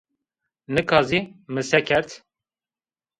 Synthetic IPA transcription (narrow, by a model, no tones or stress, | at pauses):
nɨkʰɑːzimɨsɛkʰɛɾt̪